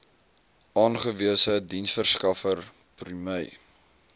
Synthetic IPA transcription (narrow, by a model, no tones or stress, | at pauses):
ʔɑːnχəviəsədinsfərskɐfər | pryməj